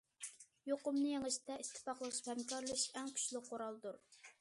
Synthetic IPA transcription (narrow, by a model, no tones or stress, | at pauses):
joqʊmnɨjeŋɪʃt̪ɛist̪ʰːɪ̥pɑχlˠəχʃi̥phɛmkʲɑɾlˠɨʃɛŋkʲʰy̥t͡ʃlɪqʰːoɾɑlˠd̪uɾ